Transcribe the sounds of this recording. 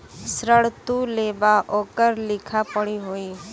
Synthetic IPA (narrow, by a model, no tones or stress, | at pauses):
sɾəɭt̪uleʋaʔoːkəɾlɪkʰapəɽ̃iɦoːiː